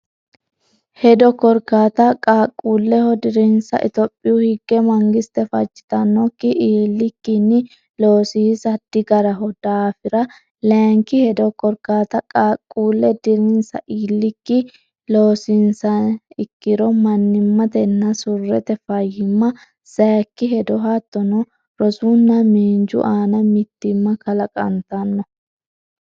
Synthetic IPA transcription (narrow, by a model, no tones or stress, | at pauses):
hɛd̪ɔkɔɾkaːt̪ɐkʼaːkʼːuːlːɛhɔd̪ɪɾɪnsɐ̰ʔɪt̪ɔpʼːɪjuhɪɡːɛmɐŋɡɪst̪ɛfɐt͡ʃʼːɪ̥t̪ɐnːɔkːɪʔiːlːɪkːɪnːɪ | loːsisɐd̪̥ːɪɡɐɾɐɦɔd̪̥aːfɪɾɐ | lɛŋkɪhɛd̪ɔkɔɾkaːt̪ɐkʼaːkʼːuːlːɛd̪ɪɾɪnsɐ̰ʔiːlːɪkːɪ | lo̞ːsɪnsɐnɪkːɪɾɔmɐnːɪmːɐt̪ɛnːɐsʊrːɛt̪ɛfɐjɪmːɐ | sɐjkːɪɦɛd̪ɔɦat̪ːɔnɔ | ɾɔsunːɐmiːnd͡ʒʊ̰ʔaːnɐmɪt̪ːɪmːɐkɐlɐkʼɐ̰nt̪ɐnːɔ